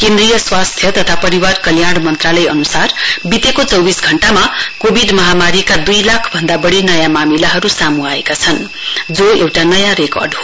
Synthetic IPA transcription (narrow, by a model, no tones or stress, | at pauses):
kẽnd̪rijʌswast̪ʰjʌt̪ʌt̪ʰapʌɾiwarkʌljaɽmʌnt̪ralʌjʌ̰nusarbit̪ekot͡sʌwbisɡʱʌɳʈamakobʱiɖmʌɦamaɾikad̪ujlakʰbʱʌnd̪abʌɽinʌjamamilaɦʌɾusamuaekat͡sʰʌn | d͡zoewʈanʌjãɾekʌ̰rɖɦo